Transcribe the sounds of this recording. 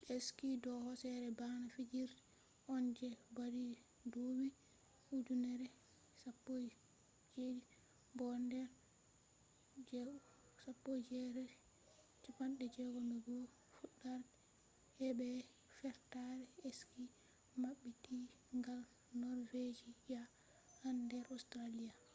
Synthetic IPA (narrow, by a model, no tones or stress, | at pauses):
ʔeskidɔhɔsɛɾɛbanafid͡ʒiɾdɛ | ʔɔnd͡ʒɛbadi | dowi | hud͡ʒunɛɾɛ | sapːo | d͡ʒedi | bɔndɛɾ | d͡ʒɛ | sapːod͡ʒɛɾɛ | t͡ʃipanɗɛd͡ʒɛɡɔnɔɡɔ | fuɗːaɾ | hɛbɛ | fɛɾtaɾɛeski | maɓːiti | ŋɡal | nɔɾved͡ʒija | handɛɾʔɔstɾalija